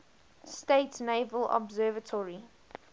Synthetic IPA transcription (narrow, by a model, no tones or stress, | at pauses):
steɪtneɪvəlɔ̰bzɜːvətʰɔɹi